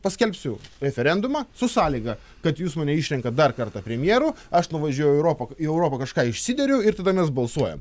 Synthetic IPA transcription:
pɐsʲkʲɛlʲpʲsʲʊɾʲɛfʲɛɾʲɛnd̪ʊmɑːsʊsɑːlʲiːɡɐ | kɐt̪juːsmɐːnʲɛiːʃʲɾʲɛŋkɐt̚d̪ɐrkɐrt̪ɐpʲɾʲɛmʲjeːɾʊɐʃnʊʋɐʒʲuɔjʊɛʊɾoːpɐiɛʊɾoːpɐkɐʃkɑːɪʃʲsʲɪd̪ʲɛɾʲɛʊɪrt̪ɐd̪ɐmʲɛsbɐlˠsuɔjɛ̰m

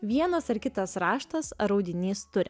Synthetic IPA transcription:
ʋʲiɛnɐsɐɾkʲɪt̪ɐsɾɑːʃt̪ɐsɾɒʊd̪ʲɪnʲiːst̪ʊɾʲɪ

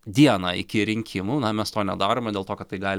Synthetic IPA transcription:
d̪ʲiɛnɑːɪkʲɪɾʲɪŋʲkʲʰɪmuːnɐmʲɛst̪oːnʲɛ̰d̪ɑːɾoːmɐdʲeːlˠt̪oːkɐt̪̚t̪ːɐɪɡɑːlʲɪ

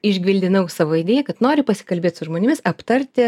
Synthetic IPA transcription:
ɪʒʲɡʲʋʲɪlʲd̪ʲɪnɐʊsɑːʋoːɪd̪ʲeːjɛkɐt̪noːɾʲɪpɐsʲɪ̥kɐlʲbʲeːt̪ʲsʊʒmoːnʲɪmʲɪsɐpt̪ɐɾʲt̪ʲɪ

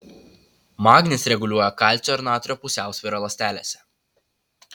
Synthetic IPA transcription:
mɑːɡnʲɪsɾʲɛɡʊlʲuɔjɛkɑˑlʲˑtt͡ʃ̪ʲoɪɾnɑːt̪ɔɾʲoːpʊsʲæˑʊsʲʋʲiːɾolˠɐsʲt̪ʲæːlʲḛsʲɛ̥

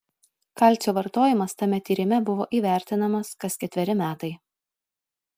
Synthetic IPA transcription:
kɐlʲˑt̪sʲuːʋɐɾt̪oːjɪmɐst̪ɐmʲɛt̪ʲiːɾʲɪmʲɛbʊʋo̰ːʔiːʋʲæˑɾʲt̪ʲɪnɐmɐskɐskʲɛt̪ʲʋʲɛɾʲɪmʲæːt̪ɐɪ

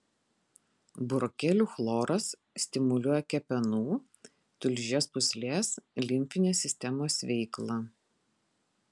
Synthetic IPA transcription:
bʊɾɔkʲɛlʲuːxlˠoːɾɐs | sʲt̪ʲɪmʊlʲuɔjɛkʲɛpʲɛnuː | t̪ʊlʲʒʲeːspʊsʲlʲeːslʲɪmʲfʲɪnʲeːsʲɪsʲt̪ʲɛmoːsʋʲɛɪklˠɑ

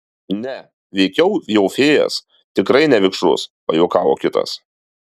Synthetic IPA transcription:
nʲɛ | ʋʲɛɪkʲɛʊjɛʊfʲeːjɛ̰s | t̪ʲɪkɾɐɪnʲɛʋʲɪkʃʊ̰spɐjoːkɑːʋo̰ːkʲɪt̪ɐ̰s

